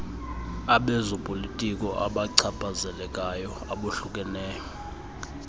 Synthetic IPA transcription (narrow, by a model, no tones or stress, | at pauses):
aɓɛzɔpʼolitʼikʼɔʔaɓaǀʰapʼazɛlɛkʼajɔ | aɓuɬuk̬ʼɛnɛːjɔ